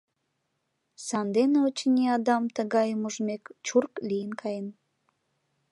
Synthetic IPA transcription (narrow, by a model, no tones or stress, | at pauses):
sɑnd̪eneot͡ɕənʲiɑd̪ɑmt̪əɣɑjəmuʒmekt͡ɕurklijənkʰɑjən